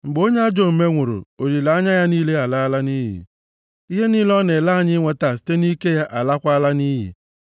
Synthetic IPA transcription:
ŋ͡m̩˨ɡ͡bo˦ɲ˦a˦d͡ʒo˦m̩˨me˦ŋʷʊ˨ɾʊ̰˨o˨ɾi˨la˨a˦ɲa˦ja˦niː˦le˦a˨la˦la˦ni˦ɦḭ˨ | i˦ɦe˦niː˦lɔ˦ne˨la˦˨˦ɲɪ˦ŋʷe˦ta˨si̥˨˦te˦ni˦ke˦ja˦ʔa˨la˦kʷa˦la˦niː˦ɦḭ˨

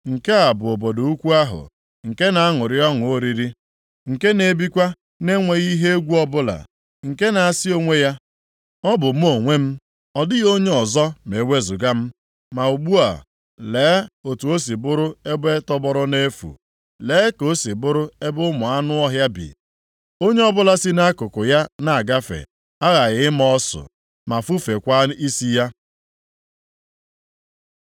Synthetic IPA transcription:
ŋ̩˨ke˦a˨bʊ˨o˨bo˨do˨u˦kʷu˦a˦ɦʊ̰˨ | ŋ̩˨ke˦na˨a˦ŋʊ˨ɾɪ˦ɔ˦ŋʊ˨o˦ɾi˦ɾi˦ | ŋ̩˨ke˦ne˨bi˦kʷa˦ | ne˦ŋʷe˨ɣi˦ɦe˦e˦ɡʷu˦ɔ˦bʊ˦la̰˨ | ŋ̩˨ke˦na˨a˨si˦o˦ŋʷe˦ja˦ | ɔ˦bʊ˨m̩˦o˨ŋʷe˦m̩˦ | ɔ˨dɪ˦ɣo˦ɲe˦ɔ˨zɔ˦me˨we˦zʊ˨ɡa˦m̩˦ | ma˨u˨ɡ͡bu˦a̰˨ | leː˨˦o˨tu˨o˦s̬i˨bʊ˦ɾʊ˦e˦be˦tɔ˦bɔ˦ɾʊ˦ne˦fṵ˨ | leː˨˦ko˦si˨bʊ˦ɾʊ˦e˦bʊ˦mʊ˨a˦nʊ˦ɔ˦ɦja˦bḭ˨ | o˦ɲe˦ɔ˦bʊ˦la˦si˦na˦kʊ˨kʊ˨ja˦na˦˨a˨ɡa˦fḛ˨ | a˦ɣa˨ɣɪ˦m˦ɔ˦sʊ̰˨ | ma˨fu˦fe˨kʷa˦i˦si˦ja˦

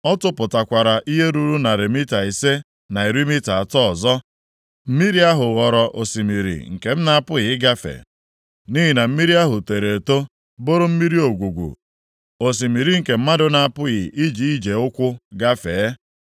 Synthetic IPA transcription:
ɔ˦tʊ˦pʊ˨ta˨kʷa˨ɾa˨ʔi˦ɦe˦ɾu˦ɾu˦na˨ɾe˨mi˦ta˨i˨se˦ | na˨i˨ɾi˦mi˦ta˨a˨tɔ˦ɔ˨zɔ˦ | m̩˦mi˦ɾi˦a˦ɦʊ˨ɣɔ˨ɾɔ˨ʔo˨si˨mi˨ɾḭ˨ŋ̩˨ke˨m̩˦na˦a˨pʊ˦ɣɪ˨ɪ˦ɡa˦fḛ˨ | ni˦ɦi˨na˨m̩˦mi˦ɾi˦a˦ɦʊ˨te˨ɾe˨to˦ | bo˦ɾʊ˦m̩˦mi˦ɾi˦o˨ɡʷu˨ɡʷṵ˨ | o˨s̬i˨mi˨ɾi˦ŋ̩˨ke˨m̩˦ma˦dʊ˦na˨a˦˨pʊ˦ɣɪ˨ʔi˦d͡ʒi˨i˦d͡ʒe˨ʊ˦kʷʊ˦ɡa˦feː˨˦

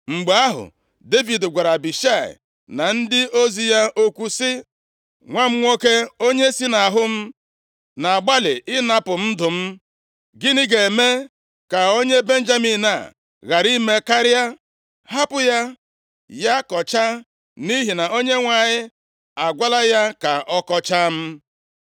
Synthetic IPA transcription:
ŋ͡m̩˨ɡ͡ba˦ɦʊ̰˨ | de˦vi˨dɡʷa˨ɾa˨bi˨ʃa˦˨ɪ̰˨ | na˨n̩˦dɪ˦o˦zi˨ja˦o˦kʷu˦sɪ˦ | ŋʷa˦m̩˦ŋʷo˦ke˦o˦ɲe˦si˦na˨ɦʊ˦m̩˦ | na˨a˨ɡ͡ba˦lɪ˨ʔɪ˦na˦pʊ˨m̩˦dʊ˨m̩˦ | ɡɪ˦nɪ˦ɡe˨me˦ | ka˨o˦ɲe˦be˦n̩˦d͡ʒa˦mi˨na̰˨ | ɣa˨ɾi˦me˦ka˦ɾja˦ | ha˦pʊ˨ja˦ | ja˦kɔ˨t͡ʃa˦ | ni˦ɦi˨na˨o˦ɲe˦ŋʷa˨ɲɪ˦ | a˨ɡʷa˦la˦ja˦ka˨ʔɔ˦kɔ˦t͡ʃa˦m̩˦

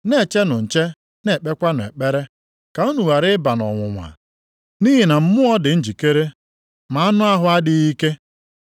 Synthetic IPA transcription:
ne˦˨t͡ʃe˦nʊ˨n̩˨t͡ʃe˦ | ne˨k͡pe˦kʷa˦nʊ˨e˨k͡pe˦ɾe˦ | ka˨u˦nu˨wa˨ɾɪ˦ba˨nɔ̰˨ŋʷʊ˨ŋʷa̰˨ | ni˦ɦi˨na˨m̩˦mʊ˦ɔ˦dɪ˨n̩˦d͡ʒi˨ke˦ɾe˦ | ma˨a˦nʊ˦a˦ɦʊ˦a˦dɪ˦i˦ke˦

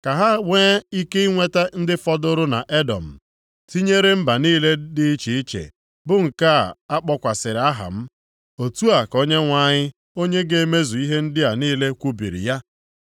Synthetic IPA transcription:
ka˨ɦa˦weː˦i˦ke˦i˦ŋʷe˦ta˦n̩˦dɪ˦fɔ˦dʊ˦ɾʊ˦na˨ʔe˦dɔ˨m̩˨ | ti˦ɲe˦ɾe˦m̩˦ba˨niː˦le˦dɪ˦i˦t͡ʃi˨i˦t͡ʃḛ˨ | bʊ˦ŋ̩˨ka˦˨a˦k͡pɔ˦kʷa˨sɪ˨ɾɪ˨a˦ɦa̰˨m̩˦ | o˨tu˦a˨ko˦ɲe˦ŋʷa˦ɲɪ˦ | o˦ɲe˦ɡe˦me˦zu˨i˦ɦe˦n̩˦dɪ˦a˨niː˦le˦kʷu˦bḭ˨ɾḭ˨ja˦

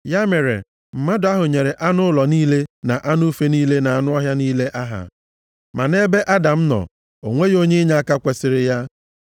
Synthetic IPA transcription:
ja˦me˨ɾḛ˨ | m̩˨ma˦dʊ˨a˦ɦʊ˨ɲe˨ɾe˨ʔa˦nʊ˦lɔ˨niː˦le˦na˨ʔa˦nʊ˦fe˦niː˦le˦na˨a˨nʊ˦ɔ˦ɦja˦niː˦le˦ʔa˦ɦa̰˨ | ma˨ne˦be˦ʔa˦da˨m̩˦nɔ̰˨ | o̰˨ŋʷe˦jo˦ɲe˦ɲa˦a˦ka˦kʷe˨sɪ˨ɾɪ˦ja˦

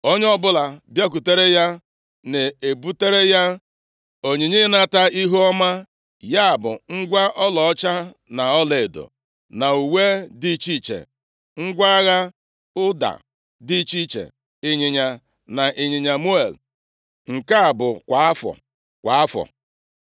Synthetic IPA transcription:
o˦ɲ˦ɔ˦bʊ˦la˨bja˦k̬u˨te˦ɾe˦ja˦ | ne˨e˨bu˦te˦ɾe˦ja˦ | o˨ɲe˨ɲe˦na˦ta˦i˦ɦu˦ɔ˦ma˦ | ja˦a˨bʊ̰˨ŋ̩˦ɡʷa˦ʔɔ˦lɔ˨ɔ˦t͡ʃa˦ | na˨ɔ˦le˨e˨do̰˨ | na˨u˨we˦di˦t͡ʃi˦t͡ʃḛ˨ | ŋ̩˦ɡʷa˦ɣa˦ | ʊ˦da̰˨ | di˦t͡ʃi˦t͡ʃḛ˨ | ɪ˨ɲɪ˨ɲa˨ | na˨ʔɪ˨ɲɪ˨ɲa˨mu˦e˨l | ŋ̩˨ka˦a˨bʊ˨kʷa˨a˦fɔ̰˨ | kʷa˨a˦fɔ̰˨

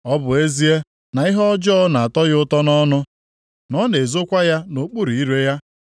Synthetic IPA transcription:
ɔ˦bʊ˨e˦zi˦e˦ | na˨i˦ɦɔ˦d͡ʒɔ˦na˨a˨tɔ˦ɣʊ˦tɔ˦nɔ˦nʊ˦ | nɔ˦ne˨zo˦kʷa˦ja˦no˨k͡pu˦ɾi˨i˦ɾe˦ja˦

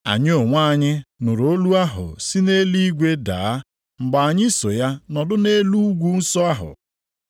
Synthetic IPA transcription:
a̰˨ɲɪ˦o˨ŋʷa˦˨ɲɪ˦nʊ˨ɾo˦lu˦a˦ɦʊ̰˨si˦ne˦li˦ɡʷe˦da̰˨a˦ | ŋ͡m̩˨ɡ͡ba˨a˨ɲɪ˦so˨ja˦nɔ˨dʊ˦ne˦lu˦ɡʷu˦n̩˦sɔ˦a˦ɦʊ̰˨

